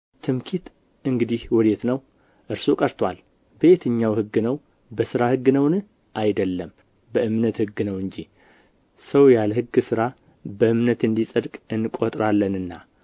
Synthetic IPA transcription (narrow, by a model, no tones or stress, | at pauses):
t̪ʰɨmkʰit̪ | ɨŋɡɨd̪ihwɔd̪et̪nəw | ʔɨɾsokʼəɾt̪ʰwal | bəjet̪ʰɨɲːawhɨɡːɨnəw | bəsɨɾahɨɡːɨnəwnɨ | ʔajd̪əlːəm | bəʔɨmnət̪hɨɡːɨnəwɨɲd͡ʒi | səwjalhɨɡːɨsɨɾa | bəʔɨmnət̪ɨnd̪isʼəd̪kʼɨnkʼot̪ʼɾalːənɨnːa